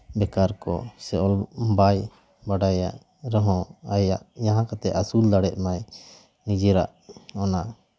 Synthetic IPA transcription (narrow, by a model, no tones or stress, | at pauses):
bɛkaɾkɔ̰sɛɔlbaj | baɖaja̰ʔ | ɾɛɦɔ̃ajaʔjaɦãkat̪ɛʔasuld̪aɽɛʔmaj | nid͡ʒɛɾa̰ʔɔna